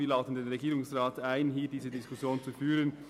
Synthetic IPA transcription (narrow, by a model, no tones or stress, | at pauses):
iːlaʊtən̩deːnʁeɡiːɾʊŋsʁaːtaɪnɦiːdiːzədɪskʊsjoːnt͡sufyːɾən